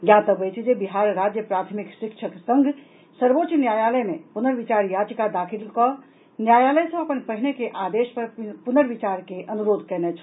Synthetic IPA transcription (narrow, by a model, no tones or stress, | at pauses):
jat̪əbət͡ʃʰd͡ʒebiɦaːɾːad͡ʒjəpɾat̪ʰmikʃɪkʃʰəksə̃ŋɡʱ | səɾbotːt͡ʃʃnjaːjaːləjmẽpunəɾʋit͡ʃaɾjat͡ʃkad̪akʰilkɔ | njaːjaːləjsə̃ɐpənpəɦinekeʔaːd̪eːʃpəɾpunəɾʋit͡ʃaːɾkeʔənuɾoːd̪ʱkɛnet͡ʃʰ